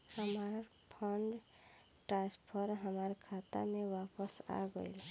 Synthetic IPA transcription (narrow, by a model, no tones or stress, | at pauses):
həmaːɾapʰəɳɖ | ʈɾaːspʰəɾɦəmaːɾkʰaːt̪a̰mẽwaːpəsa̰ɡə̰il